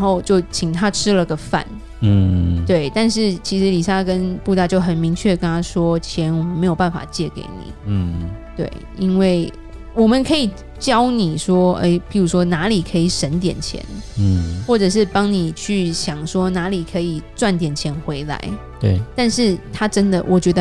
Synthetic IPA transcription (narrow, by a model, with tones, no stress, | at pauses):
nxo˥˧ʊt͡ɕjo˥˩ʊt͡ɕʰi˨˩ŋt̪ʰa˥ʈ͡ʂʰɻ̩˥lə˨˧ɡə˨fa̰˥˨˩n˥˩ | t̪we˥˩ɪt̪a˥˧nʂɻ̩˥˩t͡ɕʰi˧˥ʂɻ̩˧˥li˨˩ʂa˥kə˦npu˥˧t̪a˥˧t͡ɕjo˥˩ʊxə˨˩nmi˧˥ŋt͡ɕʰɥɛ˥˩əkə˦nt̪ʰa˥ʂwɔ˥t͡ɕʰjɛ˧˦nwɔ˨˩mə˨nme˧˥ɪjo˨˩ʊpa˥˩nfa̰˨˩t͡ɕjɛ˥˩kḛ˧˩ɪnḭ˨˩˧t̪wḛ˥˩ɪ | i˥nwe˥˩ɪ | wɔ˨˩mə˨˦nkʰɤ˧˥i˨˩ | t͡ɕjɑ˦˥ʊni˨˩ʂwɔ˥ḛ˥˩ɪpʰi˧˥ɻu˧˥ʂwɔ˥na˧˥li˨˩kʰɤ˧˥i˨˩ʂə˧˥nt̪jɛ̰˨˩nt͡ɕʰjɛ̰˧˥n˨xwɔ˥˩ʈ͡ʂɤ˨˩ʂ̬ɻ̩˥˩pɑ˥ŋni˨˩t͡ɕʰy˥˩ɕjɑ˨˩ŋʂwɔ˥na˧˥li˨˩kʰɤ˧˥i˨˩t͡swa˥˩nt̪̬jɛ˨˩nt͡ɕʰjɛ˧˥nxwe˧˥ɪla̰˧˥ɪ | t̪we˥˩t̪a˥˧nʂɻ̩˥˩t̪ʰa˥ʈ͡ʂə˥nd̪ə˨wʔɔ˨˩t͡ɕɥɛ˧˥d̪ə˧